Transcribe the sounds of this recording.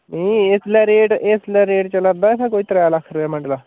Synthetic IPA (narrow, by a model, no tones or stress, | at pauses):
mĩːeslɛːɾeːʈeslɛːɾeːʈt͡ʃəlad̪aːet̪ʰɛ̃koːiːt̪əɾaaːlakʰɾaːmə̃ɳɖlaː